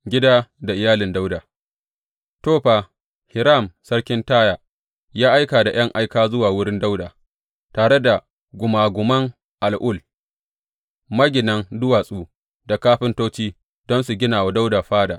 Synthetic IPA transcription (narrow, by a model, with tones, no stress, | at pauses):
ɡʲɪ˦daː˦da˨ʔɪ˨jaː˦lɪ˨nda˦wdaː˨ | toː˦ɸaː˨ | hɪ˨ɾa˦˨msɐ˦ɽkʲɪ˦ntaː˦jaː˨ | jaː˦ʔa˦jkaː˨da˨j̰ɐ˦ŋʔa˦jkaː˦zʊ˦waː˨wʊ˦ɽɪ˦nda˦wdaː˨ | taː˨ɽe˦da˨ | ɡʷʊ˨maː˨ɡʷʊ˨mɐ˦ŋ | ʔa˨lʔʊ˦˨l | mɐ˦ɡʲɪ˨nɐ˦ŋdʊ˦waː˨sʼuː˦ | da˨kaː˦ɸɪ˦ntoː˦t͡ʃiː˦ | d̥ɔ˦nsu˨ɡʲɪ˦naː˨wa˨da˦wdaː˨ɸaː˦daː˨